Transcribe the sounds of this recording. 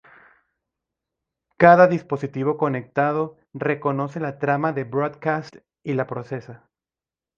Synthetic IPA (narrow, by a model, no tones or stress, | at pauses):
kaðaðispo̞sit̪iβo̞ko̞ne̞k̚t̪að̞o̞ | re̞ko̞no̞se̞lat̪ɾamaðebɾod̪kast̪ | ilapɾo̞se̞sa